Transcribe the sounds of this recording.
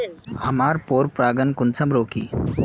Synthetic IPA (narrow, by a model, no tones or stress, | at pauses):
həmaːɾpoːɾpɾaːɡənkunt͡sʰɐmɾoːkḭː